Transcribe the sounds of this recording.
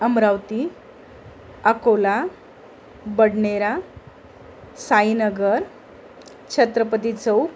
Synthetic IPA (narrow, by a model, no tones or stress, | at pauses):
əmɾawt̪i | əkola | bəɽɳeɾa | sainəɡəɾ | t͡ɕʰət̪ɾəpət̪id͡zəw